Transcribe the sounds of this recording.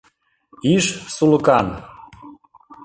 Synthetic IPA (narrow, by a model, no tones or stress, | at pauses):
iʃsulɤ̆kɑn